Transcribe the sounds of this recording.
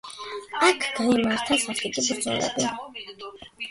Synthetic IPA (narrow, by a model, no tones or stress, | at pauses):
akʰɡ̥aimaɾt̪ʰasaχt̪ikʼisbɾd̪zɛ̰lɛ̰bi